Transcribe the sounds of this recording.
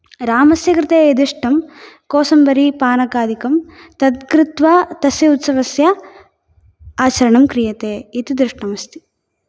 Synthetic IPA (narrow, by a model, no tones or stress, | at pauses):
ɾaːmɐsjɐkɾɪt̪eːjɐd̪iʂʈɐmkɔːsɐmbɐɾipaːnɐkaːd̪ʱikɐmt̪ɐt̪̚kɾɪt̪ʋɐt̪ɐsjɐut̪sɐʋɐsjɐ | aːt͡ʃɐɾɐɳɐmkɾijɐt̪eːit̪id̪ɾiʂʈɐmɐst̪i̥